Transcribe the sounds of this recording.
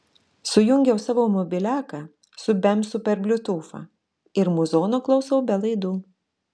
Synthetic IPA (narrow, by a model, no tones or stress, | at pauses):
sʊjʊŋʲɡʲɛʊsɑːʋoːmɔbʲɪlʲæːkɐ | sʊbʲɛmsʊpʲɛɾbʲlʲʊt̪uːfɑ̰ | ɪɾmʊzoːnoːklˠɐʊsɐʊbʲɛlˠɐɪd̪uː